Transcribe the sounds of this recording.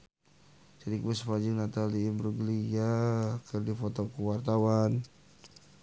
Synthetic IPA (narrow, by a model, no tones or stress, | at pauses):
d͡ʒadikwusfad͡ʒiŋnat̪aliːmbɾuɡliakərdifɔt̪ɔkuwart̪awan